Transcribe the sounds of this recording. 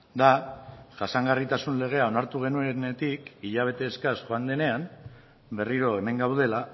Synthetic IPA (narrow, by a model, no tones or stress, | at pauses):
d̪aʝasaŋɡarit̪asunle̞ɣ̞e̞ao̞naɾt̪uɣ̞e̞nuenet̪ikiʎaβ̞e̞t̪e̞ːskasʝoand̪e̞ne̞am | be̞riɾo̞e̞me̞ŋɡawðe̞la